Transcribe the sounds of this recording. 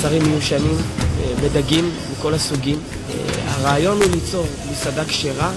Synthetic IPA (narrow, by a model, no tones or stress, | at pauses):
saʁimːejuʃanimbedaɡimːiko̞lasuɡim | a̰ʁeːjo̞nulit͡so̞ʁmisadakʃeʁa